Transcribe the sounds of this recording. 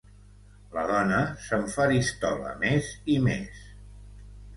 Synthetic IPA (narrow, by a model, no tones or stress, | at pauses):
ləðɔnəsəɱfaɾist̪ɔ̰lə̰mezimḛs